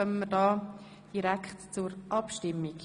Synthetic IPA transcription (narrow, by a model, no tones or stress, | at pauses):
œmməɾdɑː | d̥iɾækχtt͡sʊɾʔɑpʃtɪmːik